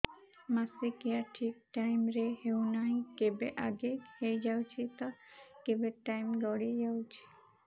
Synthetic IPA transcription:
masikiaʈʰik̚ʈajmɾehewnaɦĩkebeʔaɡekhejd͡ʒawt͡ʃʰit̪ɔkebeʈajmɡɔɽid͡ʒawt͡ʃʰi̥

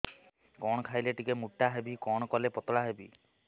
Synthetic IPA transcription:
kɔɽ̃ɔkʰajleʈikemuʈːaɦebikɔɽ̃ɔkɔlepɔt̪ɔɭaɦebḭ

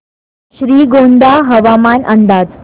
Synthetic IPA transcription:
ɕɾiːɡond̪aɦəʋamanʔənd̪aːd͡z

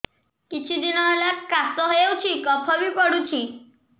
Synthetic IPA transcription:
kit͡ʃʰid̪inɔɦelakkasɔɦeewt͡ʃʰikɔpʰɔbipɔɽut͡ʃʰi

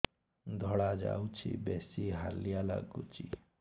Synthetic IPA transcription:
d̪ʱɔɽad͡ʒa̰wt͡ʃʰḭbesiɦalijala̰ɡut͡ʃi

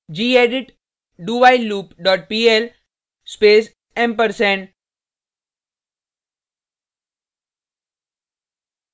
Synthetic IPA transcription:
d͡ʒiːeːɖɪʈ | ɖuːʋaɪluːpɖɔːʈ̚piːel | speːs | ẽmpəɾsẽɳ

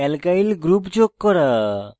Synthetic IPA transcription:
ɛlkailɡɾupd͡ʒokːɔɾa

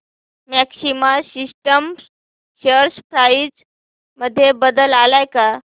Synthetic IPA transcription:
mæksimasisʈəm | ɕəɾspɾajid͡z | məd̪ʱːjebəd̪əlalajka

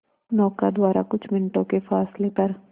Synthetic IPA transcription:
nɔːkad̪waːɾa̰kʊt͡ʃʰmɪnʈõkefaːslepɐɾ

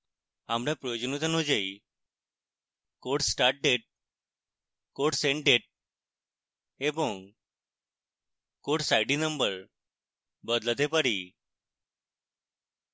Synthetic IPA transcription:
amɾãpɾəjod͡ʑnut̪ənod͡ʑei | koʈsʈaɾʈ̚ɖeʈ̚ | koʈsẽɳʈ̚ɖeʈ̚ | ebõŋ | koʈsaiɖinəmbəɾ | bəd̪lət̪epəɾi

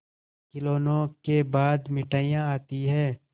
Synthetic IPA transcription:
kɪloːnõkebaːd̪mɪʈaːjãaːt̪iɦɛ̃ː

